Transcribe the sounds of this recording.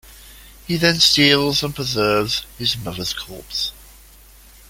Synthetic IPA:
hiðɨ̃nstiːlˠzə̃npʰɹ̥əzɜːvz̥hɪzmʌðəz̥kʰɔ̰ˑps

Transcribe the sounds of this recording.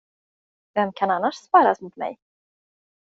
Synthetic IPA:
vɛmːkʰananːaʂspaːɾasmʊt̪mɛ̰j

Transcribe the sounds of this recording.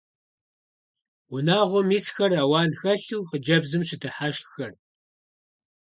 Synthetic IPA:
wʊnaːʁʷɔmiːsxɐraːwɑːnxɐɬuːqəd͡ʒɐbzɨmʂʰɪtʰɨħaʃxɐr

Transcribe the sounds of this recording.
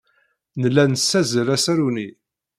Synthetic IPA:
nəlːænəsːæzəɾæsæɾuni

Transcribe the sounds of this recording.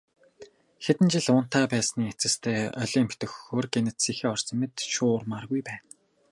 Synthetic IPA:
xet̪ɘ̆nt͡ɕɪ̆ɮʊn̥t̪ʰaːpæːsniːet͡sɘ̆st̪ʰeːœɮʲiːmpʰt̪ɵ̆xːoːrɡenɘ̆t̪siːxeːɔrsɞ̆met̪ʃʊːrmaːrɣujpæːn

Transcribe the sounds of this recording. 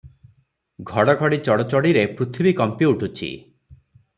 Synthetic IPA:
ɡʱɔɽɔɡʱɔɽit͡ʃɔɽɔt͡ʃɔɽiɾepɾut̪ʰibikɔmpiuʈʰut͡ʃʰḭ

